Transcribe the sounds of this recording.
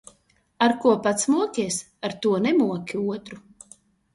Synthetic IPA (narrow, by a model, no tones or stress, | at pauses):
aɾkuɔpat̪smuɔkʲɛɛs | aɾt̪uɔnɛmuɔkʲiuɔt̪ɾu